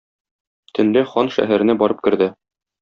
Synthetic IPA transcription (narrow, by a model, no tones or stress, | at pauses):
t̪ʰɵ̆nlɘχɒnʃæ̰ɦæɾɘ̆næbɒɾɤp̚kɘ̆ɾd̪ɘ